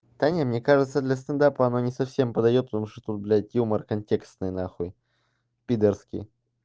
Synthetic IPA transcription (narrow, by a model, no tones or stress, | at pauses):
t̪anʲəmnʲe̞kaʐɨt̪səd̪lʲɐs̬t̪ənd̪apəɐno̞nʲɪsɐfsʲe̞mpəd̪ɐjo̞t̪̚pət̪ɐmuʂt̪ot̪ut̪̚blʲat̪ʲjumərkɐnʲtʲe̞kst̪nɨjnaxuj | pʲid̪ərskʲɪ̰j